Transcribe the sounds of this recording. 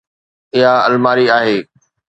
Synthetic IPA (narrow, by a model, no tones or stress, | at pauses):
ɪɦaɐlmaːɾiaːɦeː